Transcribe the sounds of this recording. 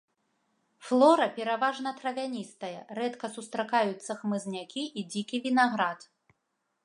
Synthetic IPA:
flˠɔɾɐpʲɛɾavaʐnɐt̪ɾɐvʲanʲist̪ɐjɐɾɛt̪kɐsust̪ɾakajut̪sːɐxmɨznʲakʲiid͡zʲikʲivʲinaɣɾat̪

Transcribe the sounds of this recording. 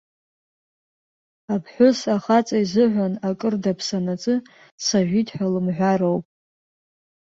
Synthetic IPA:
apʰħʷᶣʊsaχat͡sʼaizɨʕʷanakʼɨrdapʰsanat͡sʼɨ | saʒᶣitʰʼħʷᶣalɨmʕᶣʷaɾowpʼ

